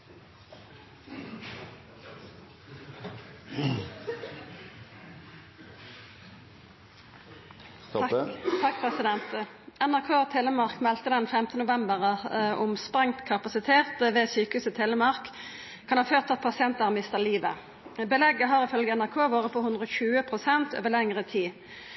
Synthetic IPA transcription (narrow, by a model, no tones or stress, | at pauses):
t̪ʰɑkpɛsɪd̪ɛnt̪ | ænæʁkʰoːt̪ʰeːlːəmɑʁkmɛlt̪əd̪ɛnfɛmt̪ənʊʋɛmbəʁɑʊmspʁɛŋt̪kʰɑpɑsɪt̪ʰeːt̪ʋɛːsyːkəhʉːsət̪ʰeːləmɑʁk | kʰɑnhɑːføːʁt̪ɑt̪̚pʰɑsɪɛnt̪ɑʁmɪst̪əʁliːʋə̰ | bəlɛɡəɦɑːʁɪfœlɡəænæʁkʰoːʋoːʁəpʰɔhʉnd̪ʁəɔçʉːəpʰʁʊsɛnt̪o̰ːʋəʁlɛŋʁət̪ʰiː